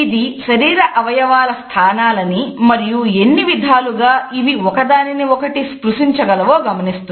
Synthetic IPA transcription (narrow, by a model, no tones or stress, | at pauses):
id̪iʃɐɾiːɾɐʔɐʋɐjɐʋaːlɐst̪ʰaːnaːlɐnimɐɾijue̞nːiʋid̪ʱaːluɡaːiʋiɔkɐd̪aːniniɔkɐʈiskɾuʂiɲt͡ʃɐɡɐlɐʋoːɡɐmɐnist̪un